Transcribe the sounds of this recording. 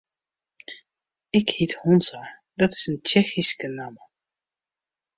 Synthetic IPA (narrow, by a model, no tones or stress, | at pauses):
ɪkhithɔnsa | dɔtɪ̥sənt͡ʃɛxiskənamə